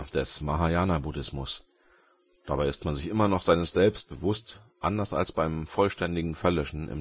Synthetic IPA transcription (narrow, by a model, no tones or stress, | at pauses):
d̥ɛsmaɦajaːnabudɪsmʊs | d̥abaɪɪstmanzɪçʔɪmɐnɔχz̥aɪnəsz̥ɛlpst̚b̥əvʊstʔandɐsa̰lsb̥aɪmfɔlʃtɛndɪɡŋ̩fɛɐlœʃn̩ʔɪ̰m